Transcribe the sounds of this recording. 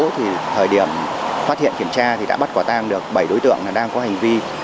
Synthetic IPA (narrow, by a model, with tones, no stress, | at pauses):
t̪ʰi˨˩t̪ʰəː˨˩jɗi˧˩əmfaː˦˥t̚hḭ˧˨ənki˧˩əmt͡ɕaː˧t̪ʰi˨˩ɗa̰ː˧˥ɓt̚kwɔː˧˩t̪aː˧ŋɗɨ˨˩ək̚ɓə˧˩jɗo˨˦jt̪ɨ̰˧˨əŋlaː˨˩ɗaː˧ŋkɔ˨˦ha˨˩jŋ̟vi˧